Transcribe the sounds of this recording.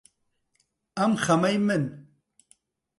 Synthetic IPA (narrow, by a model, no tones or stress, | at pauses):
ɐmxɐmɐjmɨn